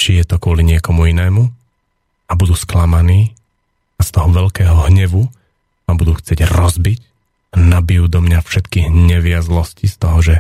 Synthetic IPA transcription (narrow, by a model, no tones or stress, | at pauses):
t͡ʃijɛt̪ɔkʊɔliɲɪɛkɔmuinɛːmu | abud̪uːsklamaniː | ast̪ɔɦɔʋɛʎkɛːɦɔɦɲɛʋu | abud̪uːxt͡sɪɛɟɾɔzbic | anabijuːd̪ɔmɲafʃɛt̪kiɦɲɛʋiazlɔscist̪ɔɦɔʒɛ